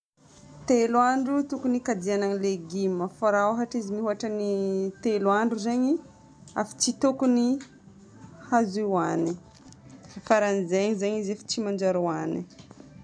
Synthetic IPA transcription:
t̪eluaɳɖ͡ʐut̪ukunikad̪ianaŋileɡiməfaɾaoɦaʈ͡ʂizimiɦuaʈ͡ʂənit̪eluaɳɖ͡ʐuzeɲi | a̰fi̥t͡ʃit̪ukuni | haziwani | faɾanizeɲzaɲizefi̥t͡ʃimand͡ʒaɾuani

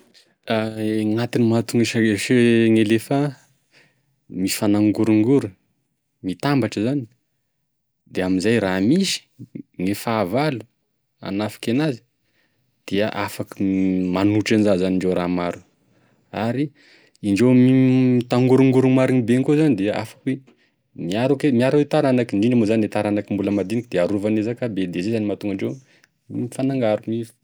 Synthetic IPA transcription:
aŋat̪inimat̪uŋiʃaeʃeŋelefa | mi̥fanaŋɡuɾuŋɡuɾu | mit̪ambaʈ͡ʂəzani̥ | d̪̥eaminzajramisi̥ŋefaːvalu̥ | a̰nafḁkenazi̥ | d̪̥eəʔafakəmanuʈ͡ʂanzazaniɳɖ͡ʐewɾamaɾu̥ | aɾi | iɳɖ͡ʐewmiit̪aŋɡuɾuŋɡuɾumaɾinibeŋkuzanid̪ea̰fḁkwe | miaɾukemiaɾuwet̪aɾanakiɳɖ͡ʐiɳɖ͡ʐamozanet̪aɾanakimbuləmad̪inikid̪̥eaɾuvanezakabed̪ezezanimat̪uŋɡaɳɖ͡ʐew | mifanaŋɡaɾumis

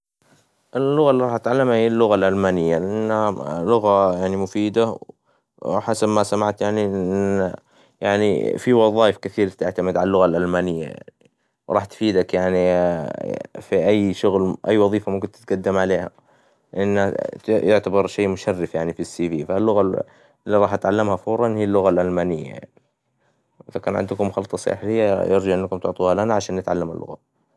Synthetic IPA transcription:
ʔɪllːʊɣalːiɾˤɑħat̪ʕalːamahijːalːʊɣalʔalmaːnɪjːalɪʔanːhalʊɣajaʕnimʊfiːd̪a | ħasabmasamaʕt̪jaʕnin | jaʕnḭfiwɑðˤɑːjɪfkɪθiːɾt̪ɪʕt̪amɪd̪ʕalalːʊɣalʔalmaːnɪjːa̰jaa̰ʕni | wɾˤɑːħt̪fiːd̪akjaʕni | fiʔajːʃʊɣlʔajːwɑðˤiːfamʊmkɪnt̪ɪt̪̚ɡad̪ːɪmʕaleːha̰ | ʔɪnːajʊʕt̪abɑɾˤʃeːmʊʃarːɪfjaʕnifisːiːviːfalːʊɣa | lːiɾˤɑːħat̪ʕalːamhafʊːɾˤɑnhiːlːʊɣalʔalmaːnɪjːa̰ja̰ʕni | ʔɪðakaːnʕɪ̰nd̪ʊkʊmːʊxɑlːt̪ˤɑsˤɑ̰ħlɪjːajɪɾd͡ʒaʔɪnːakʊmt̪ʊʕt̪ˤuːhalʔanaʕaʃaːnːɪt̪ʕalːamalːʊ̰ɣa

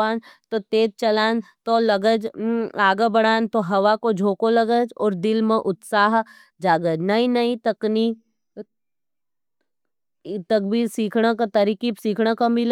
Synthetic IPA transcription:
aːnt̪ot̪eːt̪̚t͡ʃɐlaːnt̪olɐɡəd͡ʒaːɡəbɐɽ̃aːnt̪oɦɐʋakod͡ʒʱoːkolɐɡəd͡ʒɔːɾd̪ɪlmẽʔʊt̪saːɦ | d͡ʒaːɡəd͡ʒnɐĩnɐĩt̪ɐkni | t̪ɐk̚bʱiːɾsiːkʰɽakat̪ɐɾikisiːkʰɽakɐmɪl

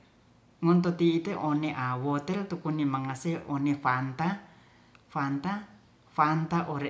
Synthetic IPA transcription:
ŋɔnt̪̬ot̪iːt̪eʔoneʔawot̪ɛlt̪ukunimaŋaseonefant̪a | fant̪a | fant̪aʔoɾe

